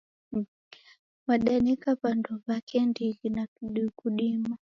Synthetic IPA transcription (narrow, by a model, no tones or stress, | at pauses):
waɗanikapandɔβakɛndilinauɗikuɗima